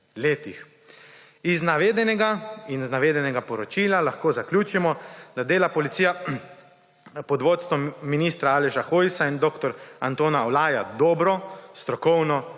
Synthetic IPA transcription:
leːt̪ix | iznaʋeːd̪ɛnɛɡainznaʋeːd̪ɛnɛɡapɔɾɔt͡ʃiːlalaxkoːzaklʲjuːt͡ʃimɔd̪ad̪eːlapɔlit̪siːja | pɔd̪ʋoːt̪st̪ʋɔminiːst̪ɾaaːlɛʃaxoːjsaind̪oːkt̪ɔɾant̪oːnaɔlaːjad̪oːbɾɔst̪ɾɔkɔwnɔ

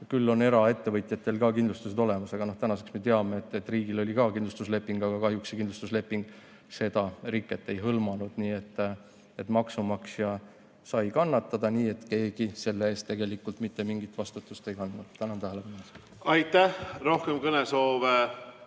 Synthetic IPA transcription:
kylːo̞ne̞ɾɑe̞t̪ːe̞vɤjt̪ʲˑjɑt̪ːˑe̞lkɑːkind̪lust̪useo̞le̞mɑsɑɡ̥ɑnoht̪ænɑse̞ksme̞t̪eɑmeet̪ːˑet̪ːˑriːɡilo̞lʲikɑːkind̪lust̪usle̞pːˑiŋɡ̥ɑɡ̥ɑkɑɦjuksekind̪lust̪usle̞pːˑiŋɡ̥ | se̞d̪̥ɑrikːˑet̪ːˑe̞jɦɤlmɑnud̪̥niːe̞t̪ːˑ | e̞t̪ːmɑksumɑksjɑ | sɑjkɑnːɑt̪ːˑɑd̪̥ɑniːe̞t̪ke̞ːɡ̥ise̞lːeeːst̪ːe̞ɡe̞likːult̪ˑmit̪ːe̞miŋɡ̥it̪vɑst̪ut̪ːˑust̪e̞jkɑnd̪nud̪̥t̪ænɑnt̪æɦeleb̥ɑnos | ɑjt̪ːˑæhro̞hkemkɤnesoːve

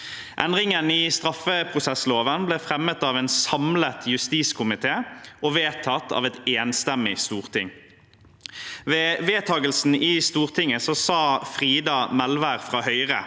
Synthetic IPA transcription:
ʔɛ̰nʁɪŋənɪst̪ʁɑfəpʰʁʊsɛsloːʋənbleːfʁɛmət̪ɑːʋɛːnsɑmlət̪ʰjʉst̪iːskʰʊmɪt̪ʰeːɔʋeːt̪ʰɑt̪ːɑ̰ːʋɛt̪eːnst̪ɛmːɪst̪uːʁt̪ʰɪ̰ŋ | ʋeːʋeːt̪ʰɑːɡəlsn̩iːst̪uːʁt̪ʰɪŋːəsɔsɑːfʁiːd̪ɑmɛlʋæʁfʁɑːhœʏʁə

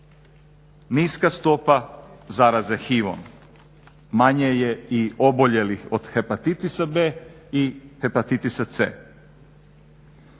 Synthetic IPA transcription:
niːskast̪o̞pazaɾaze̞xiʋo̰n | maɲejeio̞bo̞ʎe̞lixod̪̥xepat̪it̪isabeː | ixe̞pat̪it̪isat̪sḛː

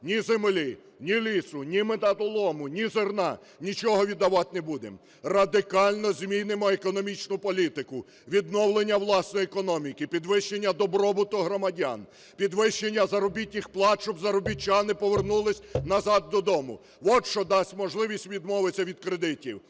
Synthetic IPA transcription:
nʲizemlʲi | nʲilʲisʊnʲimɪt̪ɐt̪ɔlˠɔmʊnʲizernɑ | nʲit͡ʃɔɦɔʋʲid̪ːɐʋɑt̪nebud̪em | rɐd̪ɪkɑlʲnɔzʲmʲinɪmɔekɔnɔmʲit͡ʃnʊpɔlʲit̪ɪkʊ | ʋʲid̪nɔwlˠenʲːɐwlˠɑsnɔjekɔnɔmʲikɪpʲid̪ʋɪʃt͡ʃenʲːɐd̪ɔbɾɔbʊt̪ʊɦɾɔmɐdʲa̰n | pʲid̪ʋɪʃt͡ʃenʲːɐzɐɾɔbʲitʲnʲɪxplˠɑt͡ʃʊbzɐɾɔbʲit͡ʃanɪpɔʋernulˠɪsʲnɐzɑd̪̚ːɔd̪ɔmʊ̰ | ʋɔʃt͡ʃɔd̪ɑsʲtʲmɔʒlˠɪʋʲisʲtʲʋʲid̪mɔʋɪsʲɐʋʲid̪̚kɾed̪ɪtʲiw

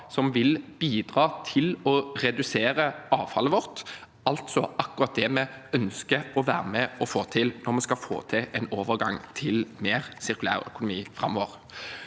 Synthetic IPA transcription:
sɔmʋɪlb̥iːd̪ʁɑːt̪ʰɪlɔʁɛd̪ʉseːɾəɑːʋfɑ̰ləʋɔʁt̪ | ɑlt̪sɔʔɑkʉʁɑt̪̚d̪ɛmɛœnskəɔʋæːʁəmɛɔfoːt̪ʰɪlnɔʁmɛskɑfo̰ːt̪ʰɪʔɛnoːʋəʁɡɑ̰ŋt̪ʰɪlmeːʁsɪɾkʉlæ̰ːʁœ̰kʊnʊmiːfʁɑmːɔːʋəʁ

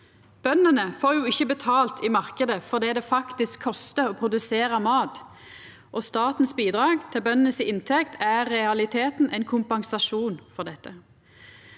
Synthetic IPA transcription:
b̥œnːənəfoːʁjuːɪçːəbət̪ʰɑːlt̪ʰiːmɑʁkəd̪əfɔʁd̪ɛːd̪ɛfɑkt̪ɪskʰːɔst̪əoːpʰʁʊd̪ʉseːʁəmɑːt̪ | ʔɔst̪ɑːt̪n̩sbiːd̪ʁɑːɡt̪ʰɪlbœnənəsɪɪnt̪ʰɛkt̪ʰæːɛɑlɪt̪ʰeːt̪n̩ʔɛɪnkʰʊmpɑŋsɑʂuːnfɔʁd̪ɛt̪ːə

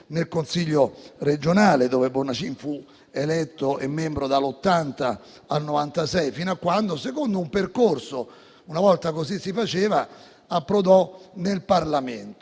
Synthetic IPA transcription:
nelkonsiʎːored͡ʒonaːled̪oːvebornat͡ʃinfu | elɛt̪ːoʔemːembɾod̪alːot̪ːant̪a | alnovant̪asɛjfinoakːwand̪osekond̪oumperkorso | unavɔlt̪akosisːifat͡ʃeːva | apːɾod̪ɔnelparlament̪o̥

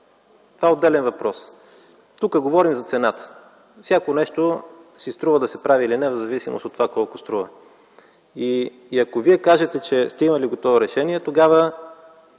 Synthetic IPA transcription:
t̪ovaɛod̪ːɛlɛnvɐpɾɔs | t̪ukəɡovɔɾimzɐt̪sɛnat̪ə̥ | fsʲjakonɛʃt̪osist̪ɾuvəd̪ɐsɛpɾavilinɛvzɐvisimʔo̰sot̪ːovakɔlˠkost̪ɾuvə̰ | iː | ɐkoviɛkaʒɛt̪ɛt͡ʃɛst̪ɛimɐliɡot̪ɔvʊɾɛʃɛniɛt̪oɡavə

